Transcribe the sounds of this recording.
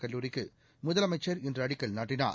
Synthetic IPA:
kɐɭːuːɾɪkːɯ | mʊðɐlɐmɐɪt͡ʃːɐɾɪndrɯɐɽɪkːɐɭnaːʈːɪna̰ː

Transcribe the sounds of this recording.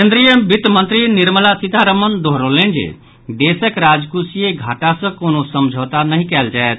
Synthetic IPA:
kẽnd̪ɾijəbit̪mə̃nt̪ɾiniɾməlasid̪ʱaɾəmənd̪oɦɾolend͡ʒḛ | d̪esəkɾad͡ʒkusijeɡʱaʈasə̃konosəmd͡ʒʱət̪anəɦĩkɛld͡ʒaet̪̚

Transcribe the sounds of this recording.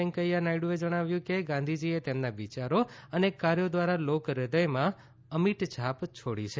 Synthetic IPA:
ɛŋkəianaiɽũed͡ʒəɽ̃aʋjũkeɡãnd̪ʱid͡ʒiet̪emnaʋit͡ʃaɾoənekaɾjod̪ʋaɾalokɾɪd̪əjmã | əmiʈd͡ʒʰʱapt͡ʃʰoɽit͡ʃʰe

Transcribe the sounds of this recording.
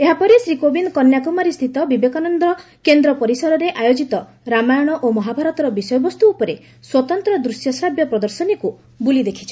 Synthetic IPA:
eɦapɔɾisɾikobinkɔnjakumaɾist̪ʰit̪ɔbibekanɔnd̪ɾɔ | kend̪ɾɔpɔɾisɔɾɔɾeʔajod͡ʒit̪ɔ | ɾamajɔɽ̃ɔʔomɔɦabʱaɾɔt̪ɔɾɔbisɔjɔbɔst̪uːpɔɾe | swɔt̪ɔnt̪ɾɔd̪ɾusjɔsɾabjɔpɾɔd̪ɔɾsɔniku | bulid̪ekʰi̥t͡ʃʰɔ̥

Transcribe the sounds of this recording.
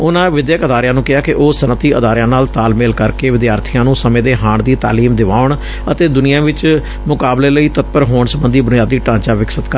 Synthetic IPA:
ʊnãːʋɪd̪jəkəd̪aːɾɪjãːnũːkɪɦaːkɪʔoːsənət̪iːəd̪aːɾɪjãːnaːlt̪aːlmeːlkəɾkeːʋɪd̪jaːɾt̪ʰijãːnũːsəmẽːd̪eːɦaːɳd̪iːt̪a̰ːliːmd̪ɪʋaːʊɳ | ət̪eːd̪ʊnɪjãːʋɪt͡ʃ | mʊkaːbleːləiːt̪ət̪̚pəɾɦoːɳsəbənd̪iːbʊnɪjaːd̪iːʈãːɲt͡ʃaːʋɪksət̪k

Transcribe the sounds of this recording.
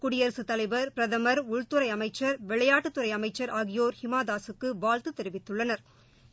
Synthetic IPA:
kʊɽɪjɐɾsɯt̪ɐlɐɪʋɐɾpɪɾɐðɐmɐɾʊɭt̪ɯɾɐɪɐmɐɪt͡ʃːɐɾʋɛɭɐjaːʈːɯt̪ːʊɾɐɪɐmɐɪt͡ʃːɐɾaːɣɪjoːɾhɪmaːðaːsɯkːɯʋaːɻt̪ɯt̪ɛɾɪʋɪt̪ːɯɭːɐnɐɾ

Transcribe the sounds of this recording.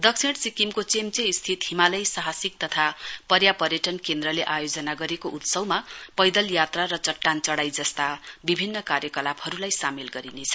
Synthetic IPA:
d̪ʌksʰeɽsikimkot͡semt͡seist̪ʰit̪ɦimalʌjsaɦasik̚t̪ʌt̪ʰapʌɾjapʌɾjʌʈʌnkend̪rʌleʔajod͡zʌnaɡʌɾekoʔut̪sʌwmapʌjd̪ʌljat̪raɾʌt͡sʌʈːant͡sʌɽajd͡zʌst̪abibʱinːʌkaɾjʌkʌlabhʌɾulajsamilɡʌɾinet͡sʰʌ

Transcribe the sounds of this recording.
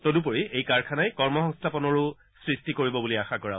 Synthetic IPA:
todup̬oɹiejkaɹkʰanajkɔɹmɔxɔ̃ŋstʰapɔnɔɹʊ | sɹistikoɹibɔbuliaxakɔɹa

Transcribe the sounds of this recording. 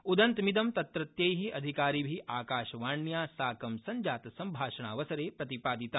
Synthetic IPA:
ud̪ɐnt̪mid̪ɐmt̪ɐt̪ɾɐt̪jɐjɦiʔɐd̪ʱikaːɾiːbʱiʔaːkaːʃɐʋaːɳjaːsaːkɐmsɐɲd͡ʒaːt̪sɐmbʱaːʃɐɳaːʋɐsɐɾeːpɾɐt̪ipaːd̪it̪a

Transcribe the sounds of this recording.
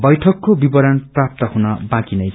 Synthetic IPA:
bʌjʈʰʌkːobibʌɾʌnprap̚t̪ʌhunʌbãkinʌj

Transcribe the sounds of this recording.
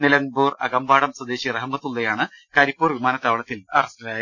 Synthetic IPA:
nilɐŋbuːrɐ̰ɡɐmbaːɽɐmsɐd̪eːɕirɐɦɐmːɐt̪ːulːɐjaːɳɨ | kaːɾipːuːrʋimaːnɐt̪ːaːʋɐɭɐt̪ːilɐ̰rɐstɐlaːj

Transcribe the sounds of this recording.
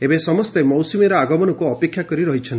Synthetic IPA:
ebesɔmɔst̪emɔwsumeɾɔaɡɔmɔnɔkuɔpekʰjakɔɾiɾɔɦit͡ʃʰɔnt̪i

